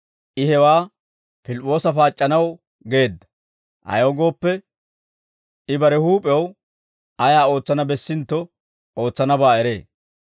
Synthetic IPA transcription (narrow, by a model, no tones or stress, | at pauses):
ʔɪhɛwaː | pɪlpʼːo̞ːsɐfaːt͡ʃʼːɐnɐw | ɡe̞ːd̪ːɐ̥ | ʔɐ̰joːɡo̞ːpːɛ | ɪbɐɾɛhuːpʼɛw | ɐjaːo̞ːt͡sːɐnɐbɛsːɪnt̪ːɔ | o̞ːt͡sːɐnɐbaːɛɾe̞̰ː